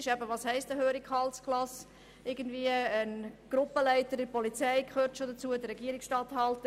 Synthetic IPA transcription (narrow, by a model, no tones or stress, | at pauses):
ɪʃɛbəʋɑːshɛɪstəhøːɾikhɑlskʰlɑs | ɪɡ̥əndviəənɡ̥ɾʊpəlæɪtəɾɪpɔlit͡sɛɪkʰøːɾtʃodɑt͡suədəɾɛɡiːəɾiksʃtɑːthɑltə